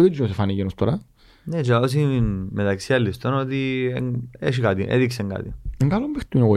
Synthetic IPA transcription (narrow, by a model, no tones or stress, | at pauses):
ot̪id̪uzosefaneʝenost̪oɾɐ | net͡ʃeos̬inmet̪ɐksiɐlːist̪onot̪ieŋeʃ̬ikat̪iʔḛðikseŋɡa̰t̪ieŋɡalombext̪ːuneɣo